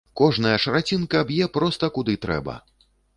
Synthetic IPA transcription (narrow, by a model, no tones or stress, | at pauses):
kɔʐnɐjɐʂɐɾat͡sʲinkɐːbjɛpɾɔst̪ɐkud̪ɨt̪ɾɛ̰bɐ̰